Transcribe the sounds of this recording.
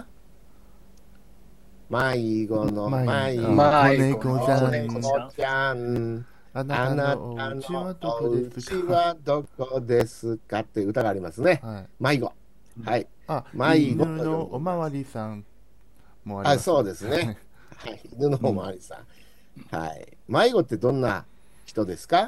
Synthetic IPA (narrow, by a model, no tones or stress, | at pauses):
maiɡonomaiai | eot͡ɕa | anaanod̪ɯt͡ɕiβad̪o̞kod̪e̞sɨkat̪ːeɯ̟t̪aɡaːɾʲimasɨne̞maiɡo̞̰ | hai | maiɡo | a | aso̞ːd̪e̞sɨne | hainɯ̟noomoa̰ɾʲisã̰ | ha̰ḭ | maiɡo̞t̪ːe̞d̪õ̞nːa̰ | çi̥t̪o̞d̪e̞sɨ̥ka